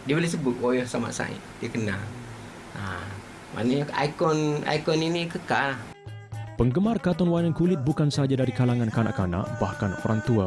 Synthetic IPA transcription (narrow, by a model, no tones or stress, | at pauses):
diəbolehs̬əbʊt̪̚wojɔhsama̰ʔsa̰ɪ̰ʔdiəkənal | a | mʔa̰ʔnəɲaa̰ikɔna̰jkɔninikəkalah | pəŋɡəmarkat̪ɔnwanaŋkulɪt̪̚bukansəad͡ʒadaɾikalaŋãnkana̰ʔkana̰ʔbahkano̰ɾaŋt̪ua